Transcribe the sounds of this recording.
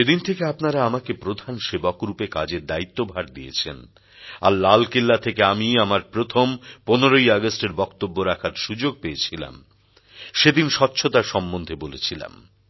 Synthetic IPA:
ed̪int̪ʰekeapnaɾaamakepɾod̪ʱanʃebakɾupekad͡ʑeɾd̪ait̪ːobʱaɾd̪iḛt͡ɕʰḛn | a̰ɾlalkelːat̪ʰekeamiamaɾpɾot̪ʰomponeɾoiaɡosʈeɾbɔkt̪obːoɾakʰaɾʃud͡ʑoɡ̚peet͡ɕʰila̰m | ʃed̪inʃɔtːɕʰot̪aɾʃɔmːond̪ʱebolet͡ɕʰila̰m

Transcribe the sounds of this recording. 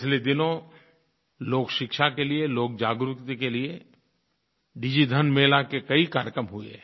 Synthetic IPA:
t͡ʃʰled̪ɪnõ | loːkʃɪkʃakelieloːk̚d͡ʒaːɡɾʊkt̪ikelie | ɖid͡ʒid̪ʱɐnmeːlakekɐikaːɾjkɾəmɦʊḛ

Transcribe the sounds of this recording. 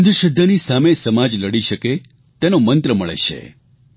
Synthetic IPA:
nd̪əʃəd̪ʱːanisamesəmad͡ʒləɽiʃəke | t̪enomənt̪ɾəməɭḛʃʰḛ

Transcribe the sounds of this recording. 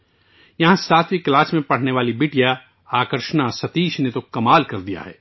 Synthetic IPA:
jɐɦãsaːt̪ʰʋiklaːsmẽpɐɽ̤neʋaːlibɪːʈija | aːkəɾʃnasɐt̪iːʃnet̪okɐmaːlkɐɾd̪ija̰ɦɛ̰ː

